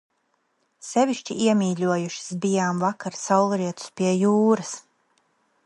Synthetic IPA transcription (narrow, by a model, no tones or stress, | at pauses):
sɛviʃt͡ʃiʔiɛmiːʎʲuɔjuʃi̥sbijaːmvakaɾsawlˠɾiɛt̪u̥spiɛjuːɾɐs